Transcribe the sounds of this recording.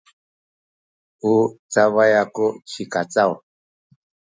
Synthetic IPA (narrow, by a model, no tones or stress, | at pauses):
ut͡saβajakut͡ʃikat͡saw